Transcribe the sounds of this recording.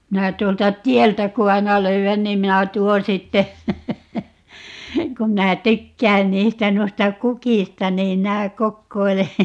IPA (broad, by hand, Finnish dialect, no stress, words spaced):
minæ tuoltɑ tiɛltæ ku ɑinɑ løyæn niːm minæ tuon sitːe kum minæ tykːæːn niːstæ nuistɑ kukistɑ niːm minæ kokːoile